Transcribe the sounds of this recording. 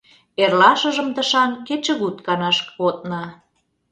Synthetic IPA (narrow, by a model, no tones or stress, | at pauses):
erlɑʃə̆ʒə̆mt̪əʃɑnket͡ɕə̆ɣut̪̚kɑnɑʃkot̪̚nɑ